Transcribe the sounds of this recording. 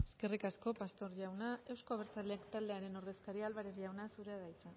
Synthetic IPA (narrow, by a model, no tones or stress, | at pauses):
eske̞rikasko̞past̪o̞ɾʎawnae̞wsko̞β̞eɾt͡saleakt̪ald̪e̞aɾe̞no̞ɾðe̞skaɾialβaɾeʝawnasuɾe̞aðajt͡sa